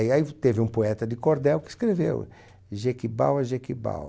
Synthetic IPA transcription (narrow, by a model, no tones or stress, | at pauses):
iait̪evɪũpoɛt̪ɐd̪ɪkoɾd̪ɛwkɪskɾevḛw | ʒekiba̰wɐʒekiba̰w